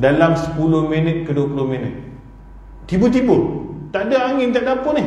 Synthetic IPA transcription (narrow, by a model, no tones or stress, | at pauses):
dalamsə̥pulʊhminət̪̚kəduəpulʊhminət̪̚ː | ibut̪̬ibut̪aʔdaaŋɪnt̪aʔdapʊnɪh